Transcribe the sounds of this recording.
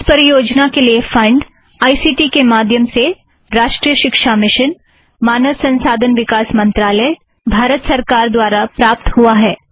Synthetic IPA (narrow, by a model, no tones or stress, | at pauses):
ɪspɐɾijoːd͡ʒnakeliefɐ̃ɳɖ | aːisiːʈikemaːd̪ʱjəmse | ɾaːʃʈɾijəʃɪkʃamɪʃən | maːnəʋsɐ̃nsaːd̪ʱənʋɪkaːsmɐ̃nt̪ɾaːləj | bʱaːɾət̪sɐɾkaːɾd̪waːɾapɾaːp̚t̪ɦuaɦɛː